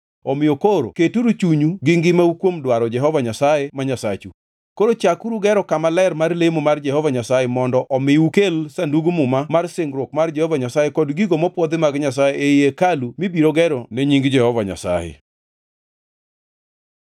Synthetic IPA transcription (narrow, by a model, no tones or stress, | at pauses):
ɔmɪjokoɾo̰ketuɾut͡ʃuɲuɡɪŋɡɪmaukwomdwaɾɔd͡ʒɛɦɔvaɲasajemaɲasat͡ʃu | koɾot͡ʃakuɾuɡɛɾɔkamalɛrmarlemomard͡ʒɛhɔvaɲasajɛmɔndɔʔɔmɪukelsanduɡumʊmamarsɪŋɡɾwokmard͡ʒɛhɔvaɲasajekɔdɡiɡomɔpwɔd̪ɪmaɡɲasajeʔejekalumibiɾoɡɛɾɔneɲiŋɡd͡ʒɛhɔvaɲa̰sa̰jɛ̰